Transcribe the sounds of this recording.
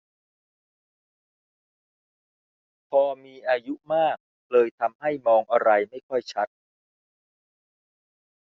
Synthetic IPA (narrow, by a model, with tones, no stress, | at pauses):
pʰɔː˧miː˧ʔaː˧ju˦˥maː˥˩k̚ | lɤː˧jt̪ʰa˧mha˥˩jmɔː˧ŋʔa˧ɾa˧jma˥˩jkʰɔ˥˩jt͡ɕʰa˦˥t̪̚